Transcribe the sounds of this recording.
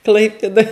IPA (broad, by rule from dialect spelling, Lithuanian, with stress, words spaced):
ˈklˠɐɪpʲeːdoːj